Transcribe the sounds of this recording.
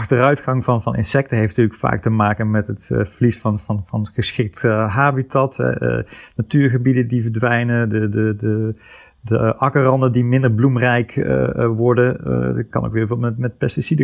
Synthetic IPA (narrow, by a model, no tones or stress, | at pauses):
ɑxtərœɥtχɑŋvɑnvɑnʔɪ̰nsɛk̚təɦejfntyːləkfa̰ːk̚təmaːkənmɛtətvəlisfɑnvɑnvɑnχəsxɪk̚tɦaːbitɑtɦɛ̰ə̰natyːɹɣəbidəndivəɹdʋɛjnədədədə | dəʔɑkərɑndəndimɪndəɹblumrɛjkə̰ʋɔɹdənkɑ̰no̰wkʋɪːvɪlˠmɛmɛt̚pɛstisidə